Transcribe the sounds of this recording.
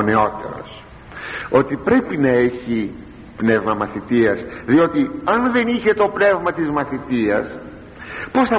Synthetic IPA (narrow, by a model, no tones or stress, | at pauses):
ne̞o̞t̪e̞̰ɾo̞̰s | o̞t̪ipɾe̞pinɐe̞çi | pne̞vmɐmɐθit̪iɐsðio̞t̪iɐnðe̞niçe̞t̪o̞pne̞vmɐt̪izmɐθit̪iɐs | po̞sθɐ